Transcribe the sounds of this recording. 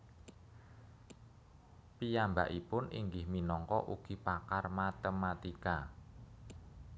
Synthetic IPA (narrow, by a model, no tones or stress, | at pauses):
pijamba̰ʔipʊnʔiŋɡɪhminɔŋkɔ̰ʔuɡ̥i̤pakarmat̪əmat̪ika